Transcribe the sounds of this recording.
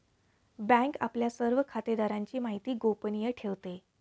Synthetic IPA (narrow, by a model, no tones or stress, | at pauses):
bæ̃ŋka̰pljasəɾʋəkʰat̪ed̪aɾaɲt͡ɕiːmaɦit̪iːɡopənijəʈʰeʋt̪e